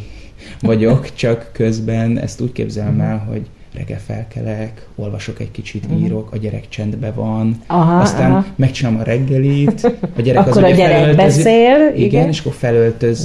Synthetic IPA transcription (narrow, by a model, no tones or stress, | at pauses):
vɒɟo̞kt͡ʃɒkːø̞zbɛnɛ̰st̪uːckḛːbzɛlmɛlɦo̞̰ɟ | rʔɛ̰ɡɛ̰lfɛ̰lkɛlɛk | o̞lvɒʃo̞kɛckit͡ʃit̪iːɾo̞kɒɟɛɾɛ̰kt͡ʃɛnd̪bɛvɒnɦɒst̪aːnmɛkt͡ʃinamɒɾʔɛɡːɛliːt̪ɒɟɛɾɛkɒzouɛɛɛløltbɛieːliɡɛneːʃɒkːo̞rfɛlølt̪ø̞z